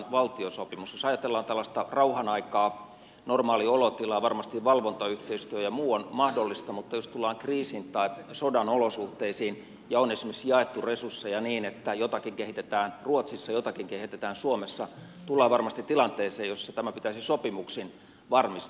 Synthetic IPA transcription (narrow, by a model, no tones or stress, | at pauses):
ʋɑlt̪iosopimusjosɑjɑt̪elːɑːnt̪ælːɑst̪ɑrɑuhɑnɑikɑː | normɑːliolot̪ilɑːʋɑrmɑst̪iʋʋɑlʋont̪ɑyht̪eist̪yøjɑmuːonmɑhdolːist̪ɑmut̪ːɑjost̪ulːˑɑːŋkriːsint̪ɑisodɑnolosuht̪eisiːn | jɑonesimiksjɑet̪ːuresursːejɑniːnet̪ːæjot̪ɑkiŋkehit̪et̪æːnruot̪sisːɑjot̪ɑkiŋkehit̪et̪æːnsuomesːɑ | t̪ulːɑːʋɑrmɑst̪it̪t̪ilɑnt̪eːseːjosːɑt̪æmæpit̪æsisopimuksin | ʋɑrmist